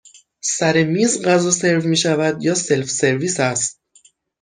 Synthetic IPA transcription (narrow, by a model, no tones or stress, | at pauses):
sæɾemiːzɢæzɒːse̞ɾvmiːʃævæd̪jɒːse̞lfse̞ɾviːsæst̪̚